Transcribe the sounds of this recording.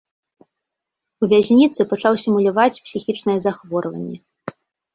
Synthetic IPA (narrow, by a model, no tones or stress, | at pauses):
uvʲazʲnʲit̪sɨpat͡ʂawsʲɛmulʲavat͡sʲpsʲixʲit͡ʂnɨjɛzaxvɔɾvɐ̰nʲːɛ